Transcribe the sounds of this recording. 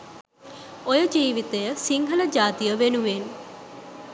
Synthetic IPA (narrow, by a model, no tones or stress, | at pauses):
ojəd͡ʒiːʋit̪ejəsiŋɦələd͡ʒaːt̪ijəʋenuʋen